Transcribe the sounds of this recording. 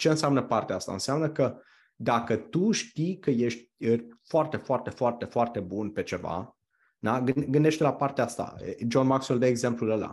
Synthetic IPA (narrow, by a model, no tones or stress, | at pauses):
t͡ʃe̞ɨnseamnəpart̪eaast̪a̰ɨ̰nseamnəkə | d̪akət̪uʃt̪ijkəje̞ʃt̪̚ʲfoart̪e̞foart̪e̞foart̪e̞foart̪e̞bunpe̞t͡ʃe̞va̰ | d̪aɡɨɡɨnd̪eʃt̪elapart̪eaast̪a̰d͡ʒonmaksold̪eeɡze̞mpluləla̰